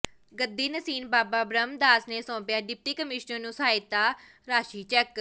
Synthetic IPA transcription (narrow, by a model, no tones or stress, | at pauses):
ɡəd̪ːiːnəsiːnbaːbaːbɾəmd̪aːsneːsɔ̃ːpjaːɖɪp̚ʈiːkəmɪʃnəɾnũːsaːɪt̪ːaː | ɾaːʃiːt͡ʃɛːk